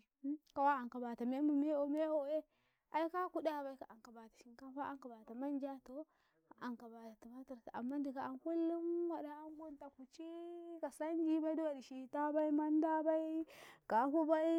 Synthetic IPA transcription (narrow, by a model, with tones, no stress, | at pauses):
ka˨wa˦a˨ŋka˨ba˨ta˨me˦mu˨me˦o˨me˦wo˦e˦ | a˨i˦ka˦ku˦da˨ba˦i˦ka˨a˨ŋka˨ba˨ta˨ʃi˨ŋka˦fa˦ʔa˦ŋka˨ba˨ta˨ma˦nd͡ʒa˦to˦ | a˨ŋka˨ba˨ta˨ta˨ma˦ta˨ɾta˨a̰˨mːa˦n˦di˨ka˨a˨nku˦lːu˦mwa˨da˨a˦ŋ˦ɡu˦nta˨ku˨t͡ʃi˦ka˨sa˦nd͡ʒi˦ba˦i˦du˦wa˨di˨ʃi˨ta˦ba˦i˦ma˦nda˦ba˦i˦ka˨˦hu˦ba˦i˦